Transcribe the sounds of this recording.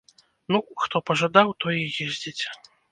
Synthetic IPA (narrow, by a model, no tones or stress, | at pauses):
nuxt̪ɔpɐʐad̪awt̪ɔjijɛzʲd͡zʲet͡sʲ